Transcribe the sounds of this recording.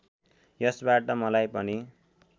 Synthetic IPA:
jʌsbaʈʌmʌlajpʌni

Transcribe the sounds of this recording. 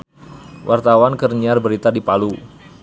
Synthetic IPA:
wʔart̪awankərɲiarbəɾit̪adipalu

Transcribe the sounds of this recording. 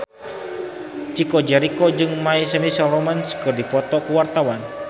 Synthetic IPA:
t͡ʃikɔd͡ʒɛɾikɔd͡ʒɨŋmaisəmisalɔmanskɨrdipɔt̪ɔkuwart̪awan

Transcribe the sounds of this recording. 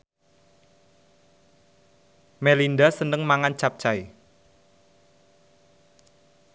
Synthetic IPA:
melindasənəŋmaŋant͡ʃap̚t͡ʃai

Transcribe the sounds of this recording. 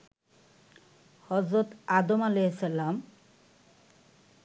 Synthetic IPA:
hɔzɾot̪ad̪omaleesalam

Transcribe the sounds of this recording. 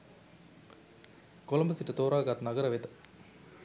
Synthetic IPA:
koləmbəsiʈət̪oːɾaːɡat̪naɡəɾəʋet̪ə̥

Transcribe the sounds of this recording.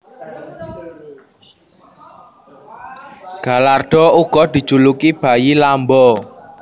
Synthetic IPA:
ɡ̥a̤larɖ̪̥ɔ̤uɡ̥ɔd̪̥i̤d̥ʒ̥ṳlukib̥a̤jilambɔ

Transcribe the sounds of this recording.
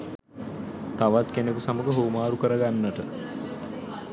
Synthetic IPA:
t̪aʋat̪kenekusaməɡəɦoːmaːɾukəɾəɡanːəʈə

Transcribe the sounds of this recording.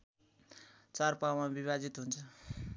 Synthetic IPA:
t͡sarpawmabiβad͡zit̪ɦunt͡sʰʌ

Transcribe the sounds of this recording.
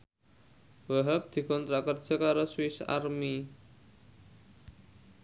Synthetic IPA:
waɦap̚d̪̥i̤kɔnt̪ɾakərd͡ʒ̥ʌ̤kaɾoswɪsa̰rmi

